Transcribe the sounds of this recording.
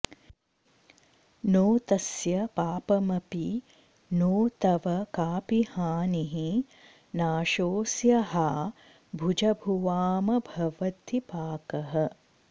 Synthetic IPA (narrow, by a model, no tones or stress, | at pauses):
noːt̪ɐsjɐpaːpɐmɐpi | noːt̪ɐʋɐkaːpihaːniɦi | naːʃoːsjɐɦaː | bʱud͡ʒɐbʱuʋaːmɐbʱɐʋɐt̪ipaːkɐɦɐ